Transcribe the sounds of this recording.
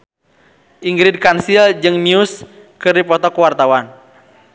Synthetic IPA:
ʔiŋɡɾid̚kansild͡ʒɨŋmiuskɨrdipɔt̪ɔkwart̪awan

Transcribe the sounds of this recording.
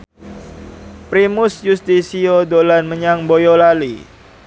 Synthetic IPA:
pɾimʊsjust̪isiodolanməɲaŋbojolali

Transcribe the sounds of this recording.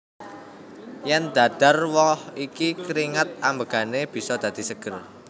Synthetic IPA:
jɛnd̪̥a̤d̪̥a̤rwɔhikikɾiŋat̪̚ambəɡ̥a̤neb̥i̤sɔd̪̥ä̤d̪̥i̤səɡ̥ər

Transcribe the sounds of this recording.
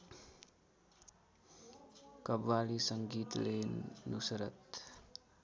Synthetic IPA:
kʌbwalisʌŋɡit̪lenusɾʌt̪

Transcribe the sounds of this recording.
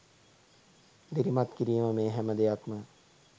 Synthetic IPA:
d̪iɾimat̪kiɾijəməmẽːɦɛməd̪ejakmə

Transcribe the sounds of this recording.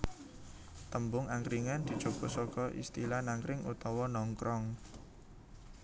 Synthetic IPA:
t̪əmbʊŋaŋkɾiŋand̪̥i̤̥t͡ʃo̤ɡ̥ɔ̤sɔkɔʔḭst̪ilanaŋkɾɪŋṵt̪ɔwɔnɔŋkɾɔŋ

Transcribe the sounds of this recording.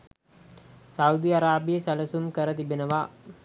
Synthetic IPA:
saud̪iaɾaːbijəsæləsumkəɾət̪ibenəʋa

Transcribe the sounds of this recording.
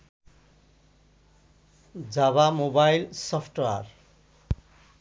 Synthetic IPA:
d͡zaβamobajlsʌpʰʈar

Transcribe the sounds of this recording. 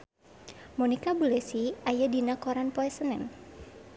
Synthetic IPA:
mɔnikabulɛsiajadinakɔɾanpɔɛsənɛn

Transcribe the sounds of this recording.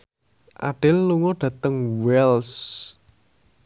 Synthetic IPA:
ʔa̰ɖ̥ɪlːuŋɔɖ̥ä̤t̪əŋwɛls

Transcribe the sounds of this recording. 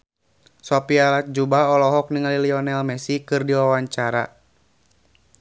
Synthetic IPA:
sɔpialat̪̚d͡ʒubaɔlɔɦɔk̚niŋaliliɔnɛlmɛsikɨrdiwawaɲt͡ʃaɾa

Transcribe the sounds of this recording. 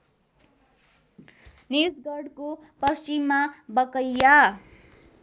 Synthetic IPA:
nisɡʌɽko | pʌst͡ʃimːabʌkʌjːa

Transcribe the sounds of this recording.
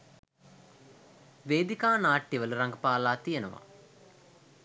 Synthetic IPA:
ʋeːd̪ikaːnaːʈːiʋɐluɾɐŋɡɐpaːlaːt̪ijɐnɐʋɐ̰

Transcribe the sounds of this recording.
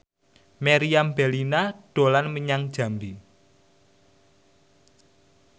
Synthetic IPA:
meɾiambe̤linaɖ̥o̤lanməɲaŋd̥ʒ̥ä̤mdi

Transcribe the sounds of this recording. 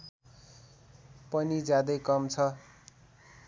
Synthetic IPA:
pʌnid͡zjad̪ʌjkʌmt͡sʰʌ

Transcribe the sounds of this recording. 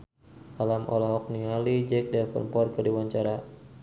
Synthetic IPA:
alamʔɔ̰lɔɦɔk̚nialid͡ʒɛk̚daɾpə̰rmpɔrkərdiwaɲt͡ʃaɾa

